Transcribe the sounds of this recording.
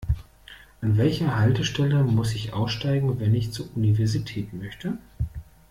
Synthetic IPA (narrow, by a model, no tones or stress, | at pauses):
ʔanvɛlçɐhaltəʃtɛləmʊsɪçʔa̰ʊsʃtaɪɡŋ̩vɛnɪçt͡suːɐʔunivɛɐzitʰɛːtmœçtə